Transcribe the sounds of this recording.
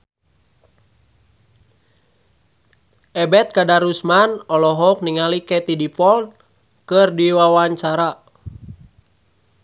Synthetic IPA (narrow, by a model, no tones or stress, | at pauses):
ʔɛbɛt̪̚kadaɾusmanɔlɔɦɔk̚niŋalikɛt̪idipɔl | kɨrdiwawaɲt͡ʃaɾa